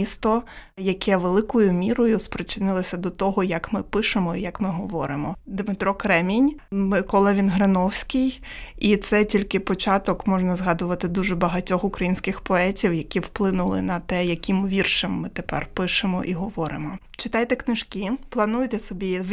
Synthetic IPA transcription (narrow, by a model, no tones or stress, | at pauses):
ist̪ɔjɐkʰɛʋelˠɪkɔjʊmʲiɾɔjʊspɾɪt͡ʃɪnɪlˠɐsʲɐd̪ɔt̪ɔɦɔjɐkmɪpɪʃemɔijɐkmɪɦɔʋɔɾɪmɔd̪mɪt̪ɾɔkɾɛmʲinʲmɪkɔlˠɛʋʲinɦɾenɔwsʲkɪjit̪sɛtʲilʲkɪpɔt͡ʃɑt̪ɔkmɔʒnɐzɦɑd̪ʊʋɐt̪ɪd̪uʒɛbɐɦɐtʲɔxʊkɾɐjinʲsʲkɪxpɔɛtʲiwjɐkʲiwplˠɪnʊlˠɪ̰nɐt̪ɛjɐkʲimʊʋʲirʃemːɪt̪epɛ̰rpɪʃɪmɔ̰ʔiɦɔʋɔɾɪmɔ | t͡ʃɪt̪ɑjt̪ɛknɪʃkɪplˠɐnujt̪ɛsɔbʲi